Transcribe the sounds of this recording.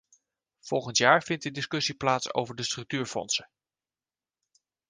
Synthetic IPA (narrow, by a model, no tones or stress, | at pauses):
v̥ɔlˠχəntjaːɹvɪnt̚dədɪskɵsiplaːtso̰wvəɹdəstrɵk̚tyːɹfɔ̰nsə